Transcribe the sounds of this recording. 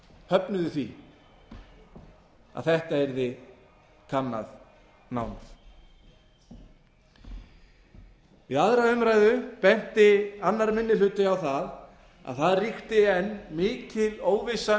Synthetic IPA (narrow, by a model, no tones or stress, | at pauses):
hœpnʏðʏθvi | a̰ðθɛht̪aɛɾðɪ | kʰanːa̰ð | na̰ːwnθ | vɪðaðɾaʏmɾaːjðʏpɛn̥t̪ɪanːaɾmɪnːɪlʏːt̪ɪawθað | a̰ðθaðrixt̪ɪɛnːmɪːcʰɪloːwvɪsa